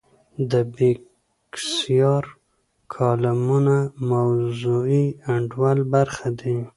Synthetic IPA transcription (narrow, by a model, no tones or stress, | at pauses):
d̪əbe | ksijɑɾ | kʰɑlamunamawzuiaɳɖwalbaɾxad̪i